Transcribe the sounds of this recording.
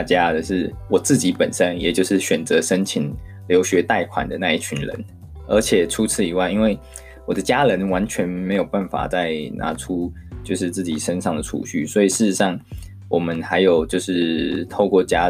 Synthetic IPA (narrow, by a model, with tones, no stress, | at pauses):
t͡ɕja˦d̪ə˨ʂɻ̩˥˩wɔ˨˩t͡sɹ̩˥˩t͡ɕi˧˥pə˨˩nʂə˦˥njɛ̰˨˩t͡ɕjo˥˧ʊʂɻ̩˥˩ɕɥɛ˨˩nt͡sɤ˧˦ʂə˥nt͡ɕʰi˨˩ŋ | ljo˧˥ʊɕɥɛ˧˥t̪a˥˩ɪkʰwa̰˨˩nd̪ə˦na˥˧i˥˩t͡ɕʰy˧˥˦nlə̰˧˦n | ə˞˧˥t͡ɕʰjɛ˨˩ʈ͡ʂʰu˥t͡s̩ʰ˥˩i˨˥wa˥˩ɪi˥nwe˥˩ɪ | wɔ˨˩d̪ə˦t͡ɕja˥lə˧˦nwa˧˥nt͡ɕʰɥɛ˧˦˥nme˧˥ɪjo˨˩ʊpa˥˩nfa̰˨˩t͡sa˥˩ɪna̰˧˥ʈ͡ʂʰu˦t͡ɕjo˥˧ʊʂɻ̩˥˧t͡sɹ̩˥˩t͡ɕi˨˩ʂə˥nʂɑ˥˩ŋd̪ə˨˩ʈ͡ʂʰṵ˨˦ɕy̰˥˩swɔ˧˥i˨˩ʂɻ̩˥˩˧ʂɑ˥˩ŋ | wɔ˨˩mə˦nxa˧˥ɪjo˨˩ʊt͡ɕjo˥˧ʊʂɻ̩˥˩t̪ʰo˥˧ʊkwɔ˥˩t͡ɕja˥